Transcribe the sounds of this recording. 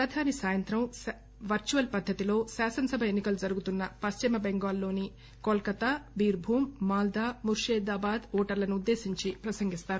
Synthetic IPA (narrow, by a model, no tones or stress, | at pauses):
pɾɐd̪ʱaːnisaːjɐnt̪ɾɐm | ʋɐɾt͡ʃuʋɐlpɐd̪ʱːɐt̪ilo̞ːsaːsɐnɐsɐbʱɐenːikɐlud͡ʒɐɾuɡut̪unːɐpɐst͡ʃimɐbeŋɡaːlːo̞ːni | koːlkɐt̪abiːɾbʱuːmːaːld̪aːmuɾʂeːd̪aːbaːd̪ɔːʈɐɾlɐnuud̪ːe̞ːsiɲt͡ʃipɾɐsɐŋɡist̪aːɾu